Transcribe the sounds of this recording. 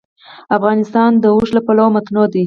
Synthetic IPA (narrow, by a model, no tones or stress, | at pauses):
afɣɑnɪst̪ɑnd̪əuʃlapalawmat̪nod̪i